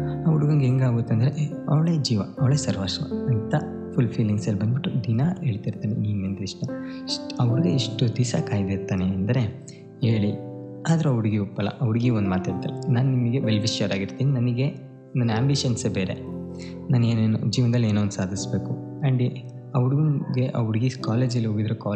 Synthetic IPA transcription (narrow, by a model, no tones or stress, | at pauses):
ɐʋɽuɡɐŋɡeŋɡaːɡut̪ːɐnd̪ɐɾe | ɐʋɭeːd͡ʒiːʋɐɐʋɭeːsɐɾʋaːsṵɐnt̪ɐ | pʰulpʰiːliŋɡsɐlːibɐnd̪biʈːud̪inɐɦeːɭt̪iɾt̪aːneniːnend̪iʂʈɐ | ɐʋɐɾiɡeiʂʈud̪isa̰ːkaːjd̪eɾt̪aːneɐnd̪ɐɾe̞ | heːɭiaːd̪ɐɾuɐʋɐɽiɡeupːɐɭːɐ̰ʔɐʋɐɽiɡeond̪umaːt̪ɦe̞ːɭt̪ḭlːɐnaːnnimɐɡe̞ʋelʋiʃɐɾaːɡiɾt̪iːninɐnɐɡe̞ | nɐnaːmbiʃɐnsebeːɾe̞̰ | naːneːnenud͡ʒiːʋɐnd̪ɐlːeːnond̪saːd̪ʱisbe̞ːku | ɐɳɖ | ɐʋɐɽiɡɡeʔɐʋɐɽiɡekaːleːd͡ʒɐliɦoːɡid̪ɾekaː